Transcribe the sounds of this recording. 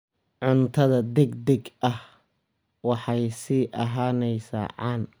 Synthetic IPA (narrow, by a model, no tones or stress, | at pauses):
ʕʊnt̪ʰɐðɐd̪ɛɡd̪ɛɡʔɐh | wɑħɑjsiːʔɐɦaːnɛjsa̰ːʕɑ̰ːn